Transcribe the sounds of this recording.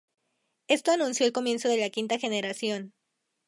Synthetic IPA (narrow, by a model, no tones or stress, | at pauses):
e̞st̪o̞anũnsjo̞elko̞mje̞nso̞ðe̞lakint̪axe̞ne̞ɾasjo̞n